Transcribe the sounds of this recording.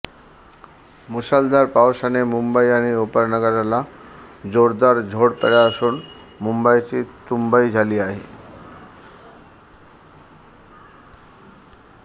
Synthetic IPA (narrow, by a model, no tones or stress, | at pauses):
musald̪aɾpaoʃanemumbajañiopəɾnaɡaɾalad͡ʑoɽd̪aɾd͡ʑʱoɽpɛ̰ɽaʃun | mumbajʈit̪umbaid͡ʑʱaliaɦi